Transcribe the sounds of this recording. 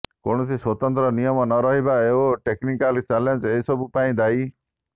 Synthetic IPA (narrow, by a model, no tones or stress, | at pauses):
koɽ̃ɔsiswɔt̪ɔnt̪ɾɔnijɔmɔnɔɾɔɦibaeoʈeknikalt͡ʃalend͡ʒeisɔbupaĩd̪aj